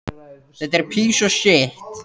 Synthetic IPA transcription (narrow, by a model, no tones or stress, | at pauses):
θɛt̪ɛɾ̥pʰiːsɔsɪht̪